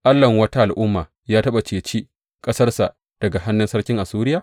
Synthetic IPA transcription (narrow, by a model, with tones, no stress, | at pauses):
ʔa˦lːɐ˨ŋwɐ˦ta˦ʔa˨lʔʊ˦mːaː˨ | jaː˦tɐ˦ɓa˨t͡ʃeː˨t͡ʃi˦ | kʼɐ˦sɐ˦rsa˨ | d̥ɐ˨ɡa˨ha˦nːʊ˦nsɐ˦rkʲɪ˦ŋʔa˨suː˦ɾɪ˦jaː˨